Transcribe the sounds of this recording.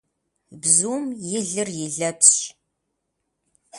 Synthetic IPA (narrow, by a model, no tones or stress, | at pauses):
bzuːmjɪɮɨrjɪɮɐpɕ